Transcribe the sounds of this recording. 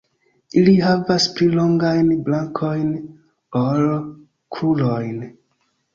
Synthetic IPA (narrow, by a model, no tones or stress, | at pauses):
iliɦavasplilo̞ŋɡajnblaŋkʰojn | oɾ | kʰulojn